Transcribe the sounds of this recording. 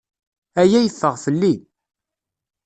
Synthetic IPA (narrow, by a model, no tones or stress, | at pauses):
æjæjəθːəʁfəlːi